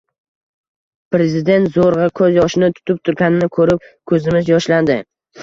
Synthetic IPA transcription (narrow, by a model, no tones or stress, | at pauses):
pɾe̞zɪd̪e̞nt̪zoɾʁɨkʰɵzjɒʃɪnɪt̪ʰʊ̥t̪ʰɪp̚t̪ʰʊɾɡʲanɪnɪkʰɵɾɪp̚kʰɵzɪmɪzjɒʃland̪ɪ